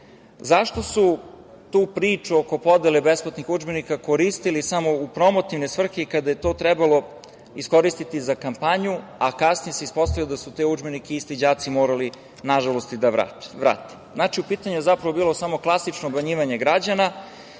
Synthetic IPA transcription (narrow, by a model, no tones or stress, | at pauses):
zaʃt̪o̞su | t̪uːpɾiːt͡ʂuoko̞po̞d̪elebesplˠat̪nixud͡ʒbenikako̞ɾist̪ilisamo̞upɾo̞mot̪iʋnesʋr̩xekad̪aje̞t̪o̞ːt̪ɾɛbalo̞ | isko̞ɾist̪it̪izakampaɲuakasnijeseispo̞st̪avilod̪asut̪eud͡ʒbe̞nikeist̪id͡ʑaːt̪simoːɾali | naʒalo̞st̪id̪aʋɾa̰tʋɾa̰ːt̪e̥znat͡ʃiupiːt̪aɲujezapɾaʋo̞biːlˠo̞samo̞klˠasit͡ʃnoːbaɲiːʋaɲe̞ɡɾad͡ʑana